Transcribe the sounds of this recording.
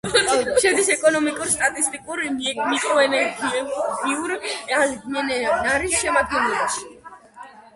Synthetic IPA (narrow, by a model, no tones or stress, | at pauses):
ʃɛd̪isɛkʼɔnɔmikʼuɾst̪ʼat̪ʼist̪ʼikʼuɾimikʼɔɛnɛɾɡiɛbiuɾalɡmɛnɛnaɾisʃɛmat̪ʰnɛlɛbaʃi̥